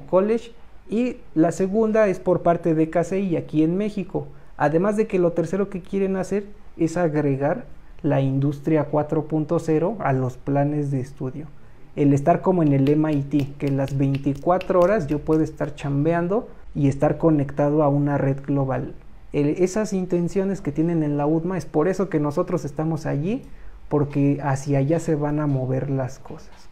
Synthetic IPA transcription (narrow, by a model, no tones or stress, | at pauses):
koleʃ | i | lase̞ɣund̪ae̞spo̞ɾpaɾt̪eðekaseiakienme̞xiko | a̰ðemazðe̞ke̞lo̞t̪e̞ɾse̞ɾo̞ke̞kje̞ɾenase̞ɾ | e̞saɣɾeɣaɾlaind̪ust̪ɾjakwat̪ɾo̞punt̪o̞se̞ɾo̞alo̞splane̞zðeːst̪uðjo̞ | ele̞st̪aɾko̞moene̞lemajt̪ikenlazβe̞jnt̪ikwat̪ɾooɾazʝopwe̞ðoest̪aɾt͡ʃambjand̪o̞ | ie̞st̪aɾko̞ne̞kt̪að̞o̞aunare̞ðɡlo̞βal | ee̞sasint̪e̞nsjo̞ne̞sket̪je̞ne̞ne̞nlauðmaespo̞ɾe̞so̞ke̞no̞so̞t̪ɾose̞st̪amo̞saʝipo̞ɾke̞asjaʝase̞βanamo̞βe̞ɾlasko̞sḁs